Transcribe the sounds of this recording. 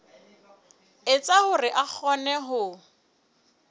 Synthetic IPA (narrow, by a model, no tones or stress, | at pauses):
ɪt͡sʼahʊrɪʔak͡xʰɔnɛɦʊ